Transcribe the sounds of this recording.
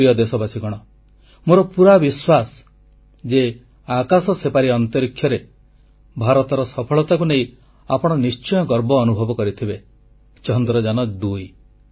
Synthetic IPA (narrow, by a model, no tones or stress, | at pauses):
ijɔd̪esɔbasʰiɡɔɽ̃ɔ | moɾɔpuɾabiswasɔ̥ | d͡ʒe | akasɔsepaɾiɔnt̪ɔɾikʰːjɔɾe | bʱaɾɔt̪ɔɾɔsɔpʰɔɭɔt̪akuneĩ | apɔɽ̃ɔnist͡ʃɔjɔɡɔɾbɔːnubʱɔbɔkɔɾit̪ʰibe | t͡ʃɔnd̪ɾɔd͡ʒanɔd̪uj